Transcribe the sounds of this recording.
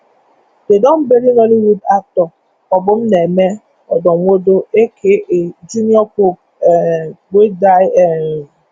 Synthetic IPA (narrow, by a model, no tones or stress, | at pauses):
dedɔm̩beɾinɔliwudatɔ | ɔbʊm̩neme | ɔ̰dɔŋʷodoekʰeʔed͡ʒiniɔko | ɡ͡bʷedaɪeɾ